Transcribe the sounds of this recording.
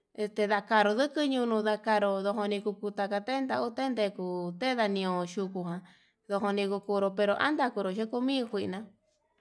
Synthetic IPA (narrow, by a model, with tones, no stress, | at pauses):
e˧st̪e˧ða˧ka˧ɾo˧ðɨ˦kɨ˦ɲũ˧nũ˧ða˧ka˧ɾo˧ðo˧ɦo˧nĩ˧ku˧ku˧t̪a˧ka˧t̪e˦nd̪a˧u˦t̪e˦nd̪e˧˨ku˧˨t̪e˦ða˧nĩ˧õ˧ʃu˧ku˧ɦã˧˨ | ðo˧ɦo˧nĩ˧ku˧ku˧ɾo˧pe˧ɾo˧ʔa̰˦nd̪a˧ku˧ɾo˨ʃe˦ku˧mĩ˦˧kʷi˧ʔnã˧